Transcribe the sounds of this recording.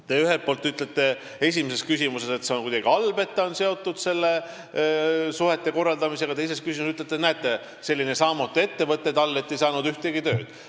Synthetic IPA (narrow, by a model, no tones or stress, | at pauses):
t̪e̞yɦelt̪̚po̞ːlt̪yt̪let̪ːˑe̞ | e̞s̬ʲimese̞skysimuse̞se̞t̪seo̞nkujd̪ɑɡ̥iɑlbe̞t̪ˑːɑonse̞o̞t̪ːˑud̪̥se̞lːe̞ | suɦe̞t̪ːˑe̞ko̞rːɑld̪ɑmise̞ɡ̥ɑt̪e̞js̬e̞skys̬ʲimusyt̪ːˑlet̪ːˑenæet̪ːˑe | se̞lːine̞sɑːmut̪ːˑue̞t̪ːe̞vɤt̪ːˑed̪ɑlːe̞t̪ːe̞jsɑːnud̪yht̪eɡit̪ø̞ːd̪̥